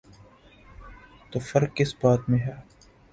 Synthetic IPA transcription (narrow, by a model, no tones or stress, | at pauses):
t̪oːfɐɾkːɪsbaːt̪mẽɦɛː